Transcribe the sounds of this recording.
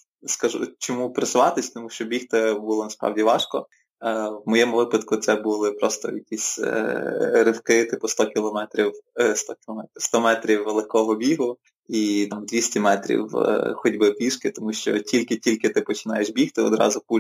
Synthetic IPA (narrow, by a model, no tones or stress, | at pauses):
skɐʒṵt͡ʃɔmupɾɐsʊʋɑt̪ɪsʲt̪ɔmuʃt͡ʃɔbʲixt̪ɛbulˠɔnɐspɾɑ̰wdʲiʋɑʃkɔ | wmɔjɛmʊʋɪpɐd̪kʊt̪sɛbulˠɪpɾɔst̪ɔ̰jɐkʲisʲ | ɾɪwkɪt̪ɪpʊst̪ɔkʲilˠɔmɛt̪ɾʲiwst̪ɔkʲilˠɔmɛt̪ʲist̪ɔmɛt̪ɾʲiwːelˠɪkɔɦɔbʲiɦʊ | it̪ɑmd̪ʲʋʲisʲtʲimɛt̪ɾʲḭw̰xɔdʲbɪpʲʋʲiʃkɪt̪ɔmuʃt͡ʃɔ̰tʲʰilʲkɪtʲilʲkɪt̪ɪpɔt͡ʃɪ̥nɑjeʃbʲixt̪ɪɔd̪ɾɑ̰zʊpu